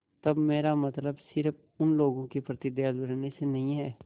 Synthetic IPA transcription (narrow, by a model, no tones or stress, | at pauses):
t̪ɐbmeːɾamət̪ləbsɪɾəp | ʊnloːɡõkepɾət̪ɪd̪jad̪bəɾnesenɐɦĩɦɛː